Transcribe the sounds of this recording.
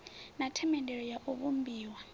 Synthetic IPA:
natʰɛmɛndɛɺɔjaʔuβumbiːwa

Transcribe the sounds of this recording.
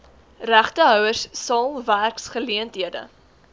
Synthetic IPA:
ræχtəɦœwəssɑːlˠværksχəliəntɦiədə̰

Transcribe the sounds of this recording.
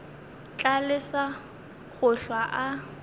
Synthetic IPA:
t͡ɬalɪsa | ɣʊɬwaʔa

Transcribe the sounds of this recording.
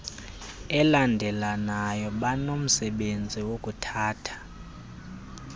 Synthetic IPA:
ɛlandʱɛlanajɔɓanom̩sɛɓend͡zʱiwokʼutʰaːtʰḁ

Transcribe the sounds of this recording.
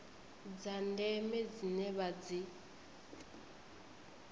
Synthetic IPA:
d͡zandɛmɛd͡zinɛβad͡zi

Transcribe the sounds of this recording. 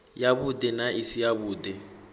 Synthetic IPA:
jabudɛnaʔisijaβuːdɛ

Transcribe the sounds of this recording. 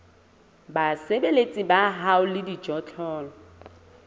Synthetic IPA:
basebelet͡sʼɪbaɦaʊlɪdid͡ʒɔt͡ɬʰʼɔːlɔ

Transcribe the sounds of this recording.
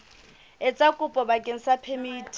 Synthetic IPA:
ɪt͡sʼakʼʊpʼɔbakʼeŋ̩sapʰemiːtʰʼ

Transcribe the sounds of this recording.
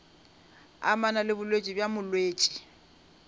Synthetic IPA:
a̰manalɪbʊlwet͡ʃʼibjamʊlweːt͡ʃʼi̥

